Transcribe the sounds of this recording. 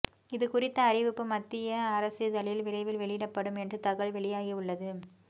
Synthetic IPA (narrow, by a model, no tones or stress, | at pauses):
ɪðɯkʊrɪt̪ːɐːɾɪʋɯpːɯmɐt̪ːɪjɐːɾɐsɪðɐlɪlʋɪrɐɪʋɪlʋɛɭɪjɪɽɐpːɐɽɯmɛndrɯt̪ɐɣɐɭʋɛɭɪjaːɣiʊɭːɐðɯ